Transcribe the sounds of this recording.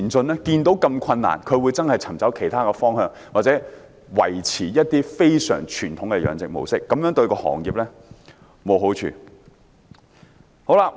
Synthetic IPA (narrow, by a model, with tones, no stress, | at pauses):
nt͡sɵ˧nlɛ˥kiː˧nt̪o˨˥wkɐ˧mkʷʰɐ˧nːa̰ː˨˩nkʰɵ˨˧ɥwuː˨˧jt͡sɐ˥nhɐ˨˩jt͡sʰɐ˨˩mt͡sɐ˨˥wkʰe˨˩jt̪ʰaː˥kɛː˧fɔː˥ŋɦœː˧ŋ | waː˨˩t͡sɛː˨˦˥ | wɐ̰˨˩jt͡sʰiː˨˩jɐ˥t̚t̪iː˥fe˥jsœ̰ː˨˩ŋt͡ʃʰyː˨˩nt̪ʰʊ˨˥ŋkɛ˧jœ̰ː˨˧ŋt͡sɪ˨k̚mo̰˨˧wsɪ˥kːɐ˨˥mjœː˨˥ŋt̪ɵ˧ɥkɔː˧hɔ̰ː˨˩ŋjiː˨˩p̚lɛː˥ | mo˨˧wɦo˨˥wt͡ʃʰy̰ː˧ | ho˨˥wla˧